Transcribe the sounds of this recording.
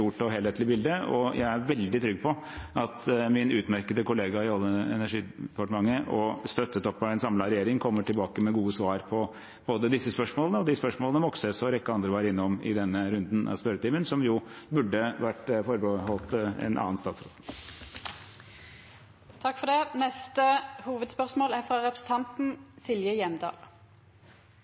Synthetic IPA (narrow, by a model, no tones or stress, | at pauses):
uːʈɔɦeːleːt̪lɪbɪld̪əɔjʔæɪæɾʋɛld̪ɪt̪ʰɾʏɡ̚ːpʰɔ | ʔɑt̪mɪnʉːt̪mæɾkəd̪əkʊleːɡɑɪɔlːəɛ̰næʂiːd̪pʰɑʈəmɑŋːəʔɔst̪œt̪ːət̪ɔpːɑʋɛɪnsɑmlɑɾɛjeːɾɪŋkʰɔmːəʈʰɪlbɑːkəmɛɡuːəsʋɑːɾpʰɔ | b̥oːd̪əd̪ɪsːəspœʂmoːlənəɔd̪ɪspœʂmoːlənəmɔksəsɔɾɛkːəɑnd̪ɾəʋɑːɾɪnːɔmɪ̰d̪ɛnːəɾʉnd̪nʔɑ̰spœɾət̪ʰiːmənsɔmjʊbʉɖːəʋæʈːfɔɾbəhɔlt̪ɛ̰nʔɑ̰ːənst̪ɑːt̪sɾo̰ːd̪ | t̪ʰɑkːfɔd̪ɛnɛst̪əhuːʋəd̪spœʁsmoːlæfɾɑɾɛpʰɾəsn̩t̪ʰɑnt̪n̩sɪljəjɛmd̪ɑ̰ːl